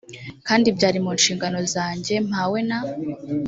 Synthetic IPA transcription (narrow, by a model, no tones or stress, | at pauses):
kaːndibɟaːɾimuːnʃiːŋɡano̞zaːɲɟe̞m̥haːwe̞na